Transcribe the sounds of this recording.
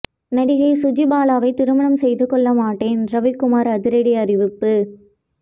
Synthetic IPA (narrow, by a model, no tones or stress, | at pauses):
nɐɽɪɣɐɪsʊd͡ʒɪbaːlaːʋɐɪt̪ɪɾɯmɐɳɐmsɛjðɯkɔɭːɐmaːʈːeːnɾɐʋɪkʊmaːɾɐðɪɾɐɽiɐrɪʋɪpːɯ